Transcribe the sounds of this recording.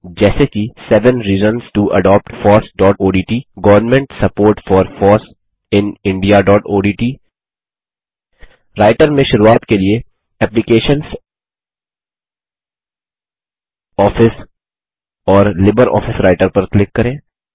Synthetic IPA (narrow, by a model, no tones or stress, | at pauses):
d͡ʒɛːsekisɛʋə̃nɾiːzənsʈuʔɐ̰ɖɔːp̚ʈfɔːɾsɖɔːʈoːɖiːʈiːɡɐʋəɾnmɛ̃ɳʈsɐpoːɾʈfɔːɾfɔːɾs | ɪ̃nɪ̃ɳɖijaɖɔːʈoːɖiːʈiː | ɾaːɪʈəɾmẽʃʊɾuaːt̪kelie | ɛːplɪkeːʃəns | ɔːfɪs | ɔːɾlɪbəɾɔ̰ːfɪsɾaːɪʈəɾpɐɾklɪkːɐɾẽː